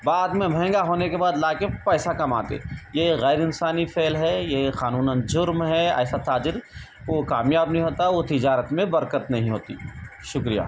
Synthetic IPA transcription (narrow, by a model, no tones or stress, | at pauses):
baːd̪mẽbʱɛ̃ːŋɡaɦoːnekebaːd̪laːkepɛːsakɐma̰ːt̪ḛjeɣɛːɾɪnsaːnifʰeːlɦɛjexaːnuːnənd͡ʒʊɾmɦɛɛ̰ːsat̪aːd͡ʒɪɾ | oːkaːmjaːbnɐɦĩɦoːt̪aɦɛot̪ɪd͡ʒaːɾət̪mẽbɐɾkət̪nɐɦĩɦoːt̪ḭʃʊkɾija̰ː